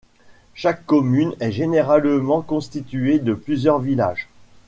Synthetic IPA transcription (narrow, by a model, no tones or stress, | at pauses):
ʃakːɔmynɛʒeneʁalmɑ̃kɔ̃st̪it̪yed̪əplyzjœʁvila̰ːʒ